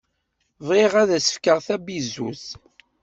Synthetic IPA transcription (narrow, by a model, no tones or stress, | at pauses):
ðˤeʁæðæsə̥fkəʁθæbizːus